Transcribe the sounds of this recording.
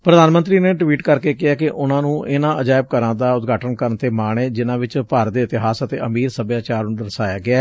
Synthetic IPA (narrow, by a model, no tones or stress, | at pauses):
pɾəd̪aːnmənt̪ɾiːneːʈʋiːʈkəɾkeːkɪɛːkɪʔʊnãːnũːʔɪnãːʔəd͡ʒaːɪb̚kəɾãːd̪aːʊt̪ɡʱaːʈənkəɾənt̪eːmaːɳeːd͡ʒɪnãːʋɪt͡ʃpəɾd̪eːɪt̪ɪɦaːsət̪ḛːʔəmiːɾsəbjaːt͡ʃaːɾũd̪əɾsaːjaːɡɪaː